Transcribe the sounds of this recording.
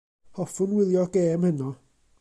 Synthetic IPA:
hɔfʊnwɪðjɔɡ̥eːmhənɔ

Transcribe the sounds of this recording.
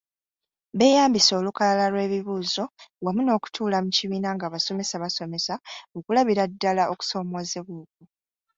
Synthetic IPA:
βe̞ːjaːmbiso̞ːlukalalalwe̞ːβiβuːzo̞wamuno̞ːku̥tʰuːlamuciβiːnaŋɡaβaso̞me̞saβaso̞me̞saokulaβiɾadːalao̞ku̥so̞ːmozeβuːk̚u

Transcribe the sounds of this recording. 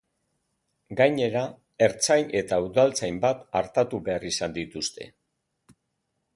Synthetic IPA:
ɡajɲe̞ɾa | e̞ɾt͡sajne̞t̪auðalt͡sajmbat̪aɾt̪at̪uβe̞arisand̪it̪ust̪e̞̰

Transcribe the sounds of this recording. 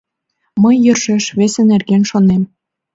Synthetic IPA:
məjːɤ̆rʃeʃβesenerɣenʃonem

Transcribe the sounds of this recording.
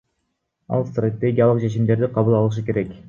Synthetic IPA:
ɑ̰lˠst̪ret̪ːeɡʲjalˠɯq̚t͡ʃʰe̞t͡ʃimd̪e̞ɾd̪iqʰɑβɯlˠɑlˠɯʃ̬ɯke̞ɾe̞k

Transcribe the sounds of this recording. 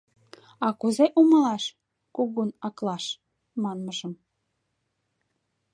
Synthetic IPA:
ɑkuzeʔuməlɑʃ | kuɣunɑklɑʃ | mɑnməʒəm

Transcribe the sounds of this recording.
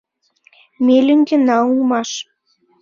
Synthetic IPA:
melyŋɡĕnɑulmɑʃ

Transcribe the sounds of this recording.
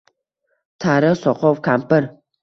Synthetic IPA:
tʰaːɾɐɕʷɔqʰʷɔwkʰaːmpʰɐr

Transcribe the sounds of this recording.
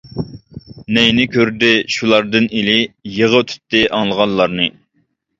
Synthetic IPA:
nɛjnɪkʲʰøɾd̪ɪʃulˠɑɾd̪ɨnilɪjeʁət̪ʰy̥t̪ːɪʔɑŋlˠəʁɑnlˠɑɾnɨ

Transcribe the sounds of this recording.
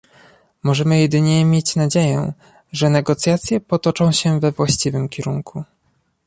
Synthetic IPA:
mɔʐɛmɘjɛd̪ɘɲɛmʲjet͡ɕnad͡ʑejɛ̃ | ʐɛnɛɡɔt̪sʲjat̪sʲjɛpɔt̪ɔt͡ʂɔ̃w̃ɕɛvɛvwaɕt͡ɕivɘmkʲɛɾuŋkʰu

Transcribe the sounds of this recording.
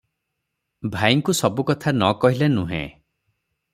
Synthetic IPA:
bʱajŋkusɔbukɔt̪ʰanɔkɔɦilenũɦḛ̃

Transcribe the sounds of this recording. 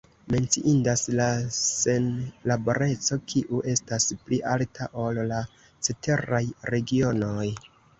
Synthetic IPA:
me̞nt͡siʔindaslase̞nlabo̞ɾe̞t͡so̞kʰiʔuʔe̞staspliʔaltʰaʔo̞lla | t͡sete̞ɾajɾe̞ɡio̞no̞j

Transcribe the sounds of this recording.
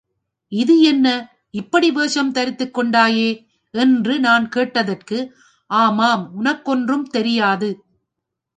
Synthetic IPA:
ɪðɯɛnːɐ | ɪpːɐɽiʋeːʂɐmt̪ɐɾɪt̪ːɯkːɔɳɖaːjeː | ɛndrɯnaːnkeːʈːɐðɐrkɯ | ʔaːmaːmʊnɐkːɔndrɯmt̪ɛɾɪjaːðɯ

